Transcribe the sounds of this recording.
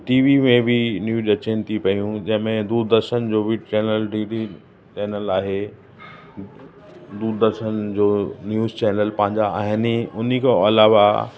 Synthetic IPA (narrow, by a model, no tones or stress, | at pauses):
ʈiːʋimẽbʱɪnjuːɗɐt͡ɕent̪ʰipɐijũd͡ʑɐ̃ɦɪ̃mẽd̪uɾd̪əɾʃənd͡ʑoːʋɪɖt͡ɕɛːnəlɖiːɖi | t͡ɕɛːnəlaːɦe | d̪uɾd̪əɾʃənd͡ʑoːnjuːzt͡ɕɛːnəlpɐ̃ɦɪ̃ɲd͡ʑaa̰ːɦɪnʊnikʰeɐlaːʋa̰